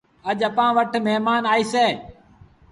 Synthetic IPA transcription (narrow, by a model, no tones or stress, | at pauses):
əʄəpãːʋəʈʰmeɦmaːnaːiːseː